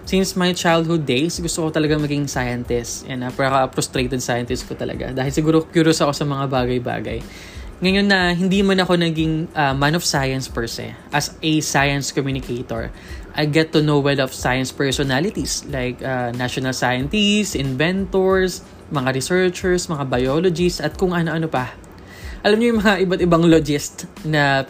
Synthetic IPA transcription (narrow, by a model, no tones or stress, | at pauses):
sinsmɐjt͡ʃajld̪̚hʊd̪̚ːejsɡʊst̪okot̪ɐlɐɡaŋmɐɡɪŋsajɐnt̪ɛsjɐ̰nɐpɐɾɐkɐɐpɾɔst̪ɾejt̪ɛd̪̚sajɐnt̪ɪst̪̚kot̪ɐlʔɐ̰ɡa̰d̪aːhɪlsɪɡuːɾokjuɾosɐkosɐmɐŋabaːɡɐjba̰ːɡɐ̰j | ŋɐjo̞nːɐɦɪnd̪imɐnɐko̞nɐɡɪŋʔɐmanɔfsajɐnspɛɹsɛ̰ʔɐsɛsajɐnskomjuːnɪkʰejt̪o̰ɹʔɐjɡɛt̪ːʊnowɛlɔfsajɐnspɛɹsɔnalɪt̪islajkʔanaʃonɐlsajɐnt̪isʔɪnvɛnt̪oɹs | mɐŋaɾɪsɛɹt͡ʃɛɹsmɐŋabɐjolod͡ʒɪst̪ɐt̪̚kʊŋʔɐno̞ʔɐnopɐ | ʔɐlamɲojʊŋmɐŋaʔɪbat̪ɪbaŋlod͡ʒɪst̪nɐ